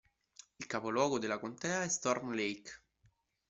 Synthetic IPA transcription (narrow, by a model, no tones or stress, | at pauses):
ilkapolwɔːɡod̪elːakont̪ɛːaɛst̪ɔrmlejk